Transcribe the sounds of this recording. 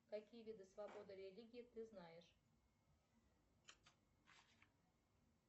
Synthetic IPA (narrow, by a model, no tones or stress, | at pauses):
kɐkʲijəvʲid̪ɨsvɐbod̪ɨɾʲɪlʲiɡʲɪt̪ɨznajɪʂ